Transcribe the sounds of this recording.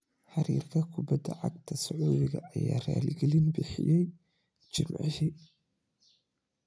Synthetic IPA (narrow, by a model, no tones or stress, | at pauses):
ħaɾiːrkʰɐkʰʊbɐd̪ɐʕaɡt̪ʰɐsʊʕuːdɪɣɐʔːjaːraːlɡɛlinbɪħɪjɛj | d͡ʒɪmʕħi